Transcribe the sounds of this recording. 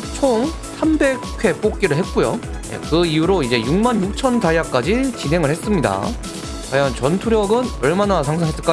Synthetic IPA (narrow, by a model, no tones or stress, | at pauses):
t͡ɕʰoŋ | sʰambe̞k̚kʰwe̞p͈ok̚k͈iɾɯɭɦe̞t̚k͈ujo̰ | jḛkɯijuɾoid͡ʑe̞juŋmanjuk̚t͡ɕʰʌntajak͈̚ad͡ʑit͡ɕinɦe̞ŋɯɭhe̞s͈ɯmɲida̰ | kajʌnt͡ɕʌntʰuɾjʌɡɯnʌɭmanasʰaŋsʰaŋɦes͈ɯɭk͈a